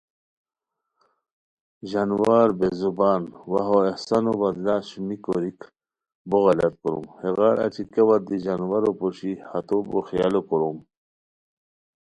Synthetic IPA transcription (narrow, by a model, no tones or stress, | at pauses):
ʑanwaːɾbezubaːnwaɦoehsanobɐd̪laɕumikoɾik | boɣalat̪̚kuɾṵmheɣaɾʔa̰t͡ɕʰikewaɾd̪iʑanwaɾopoɕihat̪obo̰xijalokuɾum